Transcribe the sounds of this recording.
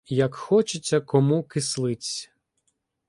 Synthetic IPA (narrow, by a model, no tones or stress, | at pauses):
jɐkxɔt͡ʃɪt͡sʲːɐkɔmukɪslˠɪt͡sʲɐ